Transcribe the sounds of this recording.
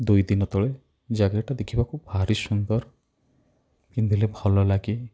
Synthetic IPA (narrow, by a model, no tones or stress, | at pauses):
d̪ujd̪inɔt̪ɔɭe | d͡ʒaɡaʈad̪ekʰibakubʱaɾisund̪ɔɾ | kind̪ʱilebʱɔlɔlaɡi